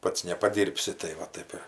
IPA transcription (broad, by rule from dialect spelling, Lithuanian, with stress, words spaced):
ˈpɐts nʲɛpɐˈdʲiːrʲpʲsʲɪ tɐɪ ˈʋɐ ˈtɐɪp ɪr